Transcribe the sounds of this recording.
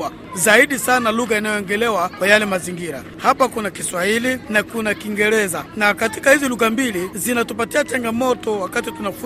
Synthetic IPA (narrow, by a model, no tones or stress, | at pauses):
a | zaiɗisanaluɣainajɔɛŋɡɛlɛwakwajalɛmaziŋɡiɾa̰ | hapakunakiswahilinakunakiŋɡɛɾɛzanakati̥kahiziluɣambilizinatupatiat͡ʃaŋɡamɔtɔwakatitunafu